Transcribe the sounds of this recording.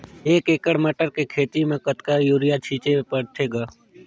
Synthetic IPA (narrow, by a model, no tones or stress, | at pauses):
eːkeːkəɽməʈəɾkekʰeːt̪imẽkət̪kajuːɾɪjat͡ʃʰiːt͡ʃepəɽt̪ʰeːɡaː